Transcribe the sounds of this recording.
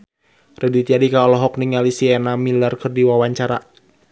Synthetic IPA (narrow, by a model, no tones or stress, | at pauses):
rɛdit̪iadikaɔlɔɦɔk̚niŋalisiɛnamilarkɨrdiwawaɲt͡ʃaɾa